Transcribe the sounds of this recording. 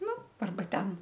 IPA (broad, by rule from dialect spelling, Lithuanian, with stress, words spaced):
ˈnʊ ɐrˈbɐ ˈtʲɛn